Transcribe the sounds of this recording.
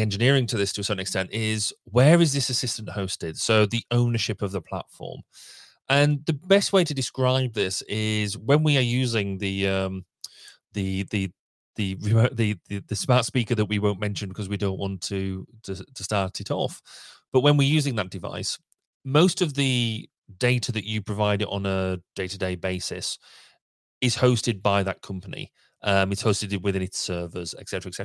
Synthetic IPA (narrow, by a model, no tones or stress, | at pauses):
ɛ̃nd͡ʒɨnɪəɹɪ̃ŋtʰɨðɪstʰəsɜ˞ʔn̩ɨkstɛ̃ntɪzwəɹɪzðɪsɨsɪstə̃n̩ʔhoʊstɪd̥soʊðiʔõʊ̃nəʃɪpəvðəpʰl̥a̰tfɔ̰ːm | ʔə̃nðəbɛst̚weɪɾʰɨdɪskɹaɪb̚ðɪsɪzwə̃nwiə˞jʉːzɪ̃ŋðɨʌ̃m | ðɨðɨ | ðɨɹðɨðɨðɨsmatspikə˞ðəʔwiwõʊ̃nmɛ̃nʃɨ̃nbɪkʰʌzwidõʊ̃nʔwɒ̃ntʰɨtʰətʰəstɑɹtʰɪɾɔ̰fb̥ʌʔ̚wə̃nwiəjʉːzɪ̃ŋðət̚d̥ɪva̰ɪs | moʊstʌvðɨ | deɪtʰəðɨt͡ʃɨpʰɹ̥əvaɪɾɪʔn̩əd̥eɪtədeɪbeɪsɪ̰s | ɪz̥hoʊstɪd̚baɪðət̚kʰʌ̃mpənḭ | ʔʌ̃mɪtshoʊstɨdwɪðɪ̃nɪtsɜːvəzɛ̰ksɛtəɹəɛksɛtə